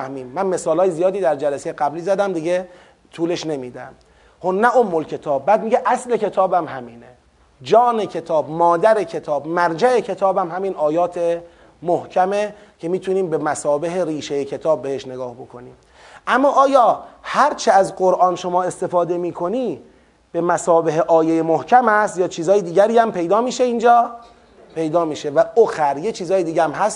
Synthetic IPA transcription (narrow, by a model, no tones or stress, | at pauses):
æhmiːmːænme̞sɒːlɒːjezijɒːd̪iːd̪æɾd͡ʒælæsejeɡæbliːzæd̪æmd̪iɟe | t̪ʰuːle̞ʃne̞miːd̪æm | honæʔomːolcʰe̞t̪ʰɒːb̚ːæːd̪miːɟeʔæsle̞cʰe̞t̪ʰɒːbæmhæmiːne | d͡ʒɒːne̞cʰe̞t̪ʰɒːbmɒːd̪æɾe̞cʰe̞t̪ʰɒːbmæɾd͡ʒæe̞cʰe̞t̪ʰɒːbæmhæmiːnɒːjɒːt̪ʰe | mohcʰæme | cʰe̞miːt̪ʰuniːmbemæsɒːbeɦeɾiːʃejecʰe̞t̪ʰɒːb̚ːehe̞ʃne̞ɡɒːhbo̞kʰo̞niːm | ʔæmːɒːʔɒːjɒːhæɾt͡ʃʰeæzɢoɾʔɒːnʃo̞mɒːe̞st̪e̞fɒːd̪e̞miːkʰo̞niː | b̥e̞mæsɒːbeɦeʔɒːjejemohcʰæmhæst̪jɒːt͡ʃʰiːzɒːjed̪iːɟæɾiːæmpe̞jd̪ɒːmiːʃeind͡ʒɒː | pʰe̞jd̪ɒːmiːʃevæoxæɾjet͡ʃʰiːzɒːjed̪iːɟææmɦæst̪